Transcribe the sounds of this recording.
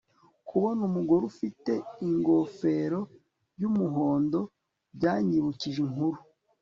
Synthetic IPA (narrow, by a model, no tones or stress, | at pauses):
kʰuβonumuɡoɾufite̞iŋɡo̞fe̞ɾo̞ | jumuɦo̞ːndo̞ | bɟaːɲiβuciʒiŋhuɾu